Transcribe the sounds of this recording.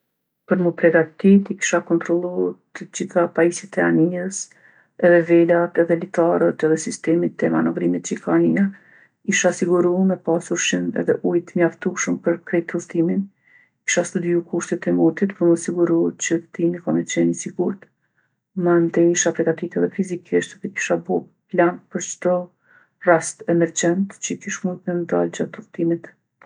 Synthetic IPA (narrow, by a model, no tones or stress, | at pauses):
pəɾməpɾɛɡat̪it̪iki̥ʃakɔnt̪ɾɔlˠuət̪ːd͡ʑiθapaisɛt̪ɛaniəs | ɛðɛvɛlat̪ɛðɛlit̪aɾət̪ɛðɛsist̪ɛmit̪ɛma̰nɔvɾimit̪t͡ʃəikania | iʃasiɡuɾumɛpasuɾʃənɛ̰ðɛʔujt̪ɲaft̪uʃəmpəɾkɾɛjt̪ust̪imin | ki̥ʃast̪əd̪yukuʃt̪ɛt̪ɛmɔt̪it̪pɔɾməsiɡuɾut͡ɕət̪inikamɛt̪ɾɛnisiɡuɾt̪ | mand̪ɛiʃapɾɛɡat̪it̪ɛðɛfizikʰiʃt̪ɛpiki̥ʃabɔ | planpəɾt͡ʃt̪ɔ | rast̪ɛmɛɾt͡ɕɛnt̪t͡ɕəkiʃmut̪mɛnd̪a̰ld͡ʑat̪uft̪imit̪